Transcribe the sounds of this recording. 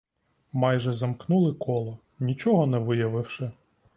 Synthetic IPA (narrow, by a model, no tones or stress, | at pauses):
mɑjʒɛzɐmknulˠɪkʰɔlˠɔ | nʲit͡ʃɔɦɔnɛʋɪjɐʋɪwʃɪ